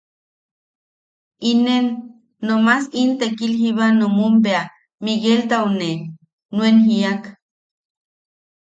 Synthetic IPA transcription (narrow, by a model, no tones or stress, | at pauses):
inenː | omasint̪ekilhiβanomumpea | miɣelt̪aune | nuenɦiak